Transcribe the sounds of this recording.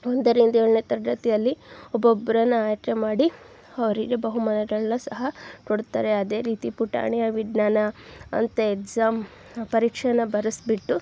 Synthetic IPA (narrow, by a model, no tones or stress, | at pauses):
ond̪ɐɾind̪ieːɽneːt̪ɐɾɐɖ̪ɐt̪ɛjɐlːiɔbobɐɾɐnːuaːjʈemaːɽi | ɐʋɐɾiɡebɐɦumɐnɐɡɐɭnusɐɦɐkoɽt̪a̰ːɾe̞ɐd̪e̞ːɾiːt̪ipuʈa̰ːɳijɐʋiɖnaːnɐɐ̰nt̪eekzaːm | pɐɾiːkʂɐnɐbɐɾɐsbiʈːu